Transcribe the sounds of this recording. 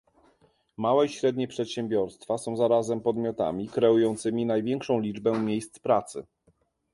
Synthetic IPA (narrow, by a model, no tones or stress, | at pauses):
mawɛiɕɾɛd̪ɲɛpʂɛt̪ɕɛ̃mbʲjɔɾst̪fasɔ̃w̃zaɾazɛmpɔd̪mʲjɔt̪a̰mʲikɾɛujɔnt̪sɘmʲinajvʲjɛŋkʂɔ̃w̃lʲid͡ʐbɛmʲjejst̪spɾat̪sɘ̰